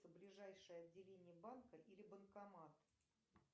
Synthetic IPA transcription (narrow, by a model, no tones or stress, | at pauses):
səblʲɪʐajʂɨjəɐdʲːɪlʲenʲɪjəbankəʔilʲɪbənkɐmat̪